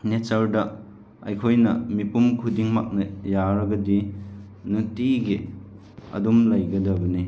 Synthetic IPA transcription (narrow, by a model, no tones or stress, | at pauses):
netɐɾdɐ | ɐ̰jkʰojnɐmipumkʰudiŋma̰k̚nɐjaɾɐɡɐdi | nutiɡi | ɐ̰dumlɐjɡɐdɐbɐni